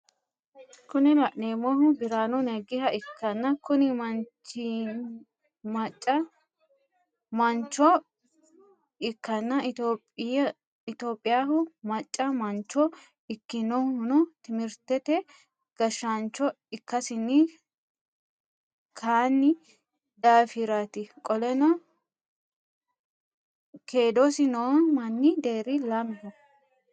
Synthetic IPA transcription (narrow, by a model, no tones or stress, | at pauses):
kʊnɪlɐʔneːmɔɦʊbɪɾaːnɔnɛɡɪhɐɪkːɐnːɐkʊnɪmɐnt͡ʃi | mɐt͡ʃʼːɐ | mɐnt͡ʃːɔ | ɪkːɐnːɐɪt̪oːpʼɪj | ɪt̪oːpʼːɪjaːhʊmɐt͡ʃʼːɐmɐnt͡ʃːɔ | ɪkːɪnɔhʊnɔt̪ɪmɪɾt̪ɛt̪ɛ | ɡ̥ɐʃːant͡ʃːɔ | ɪkːɐsɪnːɪ | kʰaːnːɪ | d̪aːfɪɾaːt̪ɪkʼɔlɛnɐ | kʰeːd̪ɔsɪnɔwmɐnːɪd̪e̞ːɾɪlaːmɪhɔ